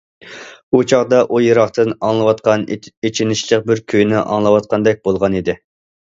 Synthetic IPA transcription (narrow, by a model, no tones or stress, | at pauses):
ut͡ʃʰɑʁd̪ɑʔujeɾɑχt̪ɨnɑŋlˠɨwɑt̪̚qɑnet͡ʃʰinɪʃlˠəq̚bɪɾkʲʰøjnɪʔɑ̰ŋlˠɨwɑt̪̚qʰɑnd̪ɛk̚ʲbolˠʁɑnid̪ɪ